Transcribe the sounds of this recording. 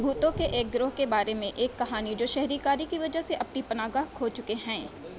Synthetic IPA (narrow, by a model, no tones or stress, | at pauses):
bʱuːt̪õkeʔeːk̚ɡɾʊɦkebaːɾemẽʔeːkːɐɦaːnid͡ʒoːʃɛɦɾikaːɾikiʋɐd͡ʒəɦseʔɐpnipɐnaːɡaɦkʰoːt͡ʃʊkeɦɛ̃ː